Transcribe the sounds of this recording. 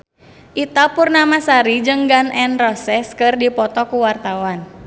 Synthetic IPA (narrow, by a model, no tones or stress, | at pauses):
ʔit̪apurnamasaɾid͡ʒəŋɡanɛnrɔsɛskɨrdipɔt̪ɔkuwart̪awan